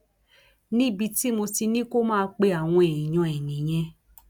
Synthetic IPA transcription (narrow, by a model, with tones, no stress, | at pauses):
nĩ˦bi˧ti˦mo˧ti˧nĩ˦ko˦mãː˦k͡pe˧˦a˨w̃ɔ̃˧ɛ˨j̃ɔ̃˨˧ɛ˨nĩ˨j̃ɛ̃˧